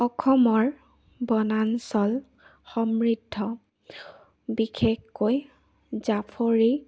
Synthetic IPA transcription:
ɔkʰɔmɔɹ | bɔnansɔl | xɔmɹidʱːɔ | bikʰexːoj | zapʰoɹi

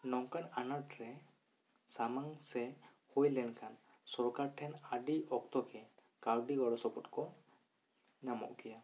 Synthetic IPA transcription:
nɔŋkananaʈɾɛ | samaŋsɛ | hujlɛnkʰan | sɔɾkaɾʈʰɛnadiɔk̚t̪ɔkɛ | kaɾɖiɡɔɽɔsɔpɔtkɔ | namɔ̰ʔkija

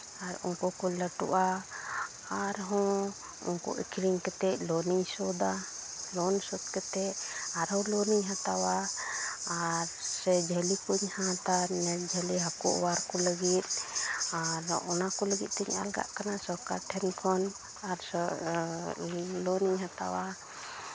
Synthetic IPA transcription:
aɾṵnkɔkɔləʈṵʔaː | ɾɦɔ̃ | ṵnkɔ̰ʔḭkʰɾiŋkɛt̪ɛʔlɔniɲsɔd̪alɔnsɔd̪̚kɛt̪ɛaɾɦɔlɔniɲɦãt̪awa | aɾsɛd͡ʒʱəlikuɲhãt̪anɛd͡ʒʱəliɦakɔ̰ʔwaɾkɔləɡit̪̚aɾɔ̰nakɔləɡit̪̚ˀt̪ɛɲa̰lɡa̰ʔkanasɔkaʈʰɛnkʰɔn | aɾ | lɔniɲɦat̪a̰wa

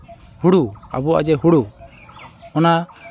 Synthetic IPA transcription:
huɽua̰bua̰d͡ʒɛɦuɽu | ɔna

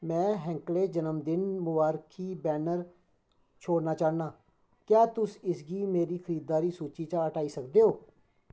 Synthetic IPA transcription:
mɛ̃ːɦɛ̃ːŋkleːd͡ʒənəmd̪ɪnmʊʋaːɾkʰiːbɛːnəɾ | t͡ʃʰoːɽnaːt͡ʃaːnaː | kjaːt̪ʊsɪsɡiːmeːɾiːkʰəɾiːd̪̚d̪aːɾiːsuːt͡ʃiːt͡ʃãːəʈaːiːsəkd̪eːɦoː

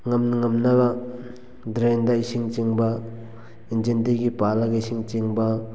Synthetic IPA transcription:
ŋɐmnaŋɐmnɐbɐ | dɾendɐisiŋt͡ʃiŋbɐ | ind͡ʒentiɡipalaɡiisiŋt͡ʃiŋbɐ

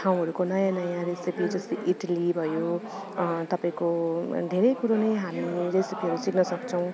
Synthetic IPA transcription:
ʈʰaw̃ɦʌɾukonʌjãnʌjãɾesipid͡zʌst̪iʔiʈalibʱʌjo | t̪ʌpaĩkod̪ʱeɾʌjkuɾonejɦamiɾesipiɦʌɾusiknʌsʌkt͡sʰʌw̃

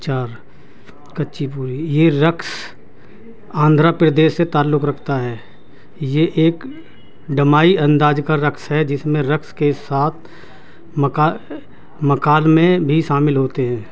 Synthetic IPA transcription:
t͡ʃaːɾ | kətːʃipuːɾijeɾəks | ãːnd̪ʱɾapɾəd̪eːʃːet̪aːlːʊkɾɐkʰt̪aɦɛː | jeʔeːk | ɖəmaːiɐ̃nd̪aːd͡ʒkaɾəksɦɛd͡ʒɪsmẽɾəkskesaːt̪ʰ | məka | məkaːlmẽbʱiʃaːmɪlɦoːt̪eɦɛ̃ː

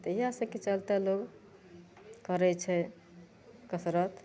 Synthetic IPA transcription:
t̪əiɦasə̃ket͡ʃəlt̪ɛloɡ | kəɾɛt͡ʃʰɛ | kəsɾət̪

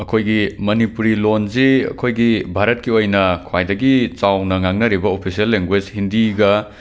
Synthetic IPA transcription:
ɐkʰojɡimɐnipuɾilonziɐ̰kʰojɡibʱaɾɐt̚kiojnɐkʰwajdɐɡit͡ʃawnɐŋaŋnɐɾibɐopʰisiɐlːeŋɡwed͡ʒhindiɡɐ

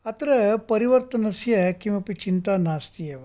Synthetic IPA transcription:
ɐt̪ɾepɐɾiʋɐɾt̪ɐnɐsjɐkimɐpit͡ʃint̪aːnaːst̪ijɐʋ

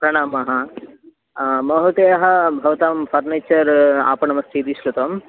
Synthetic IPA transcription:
pɾɐɳaːmɐɦãː | mɐɦut̪ejɐɦɐbʱɐʋɐt̪aːmfʰɐɾneːt͡ʃɐɾa̰ːpɐɳɐmɐst̪ʰid̪iʃlut̪ɐm

